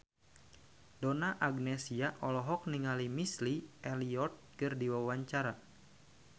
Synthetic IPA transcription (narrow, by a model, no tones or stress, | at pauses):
dɔnaʔaɡnɛsiaʔɔlɔɦɔk̚niŋalimisliʔɛliɔt̪̚kɨrdiwawaɲt͡ʃaɾa